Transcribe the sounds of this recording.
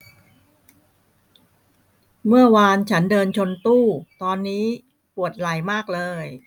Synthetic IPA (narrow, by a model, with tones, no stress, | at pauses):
mɯ˥˩ɐwaː˧nt͡ɕʰa˦˥ndɤː˧nt͡ɕʰo˧nt̪uː˥˩t̪ɔː˧nːiː˦˥ | pu˨˩ət̪̚la˨˩jmaː˥˩k̚lɤː˧j